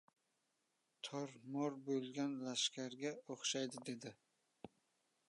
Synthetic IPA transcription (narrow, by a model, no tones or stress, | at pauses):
t̪ʰɒɾmɒɾbolɡʲanlaʃkʲʰaɾɡʲaoχʃajd̪ɪd̪e̞d̪ɪ